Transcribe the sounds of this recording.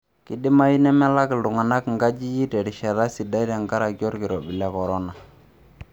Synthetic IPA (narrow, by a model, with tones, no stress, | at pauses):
kɪ˨ɗɪ˦ma˦ji˦nɛ˦mɛ˦la˦kɪ˨ldʊ˨ŋa˨na˦kŋɡa˦d͡ʒi˦ji˦tɛ˨ɾi˨ʃɛ˨ɾa˦si˨da˦i˦ɾa˨ŋɡa˦ɾa˨ɡjɔ˦ɾkɪ˨ɾɔ˨bɪ˨la˦kɔ˨ɾɔ˦na˨